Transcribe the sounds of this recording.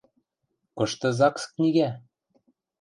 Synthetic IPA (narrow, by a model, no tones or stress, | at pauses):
kɤ̆ʃt̪ɤ̆zɑksknʲiɣæ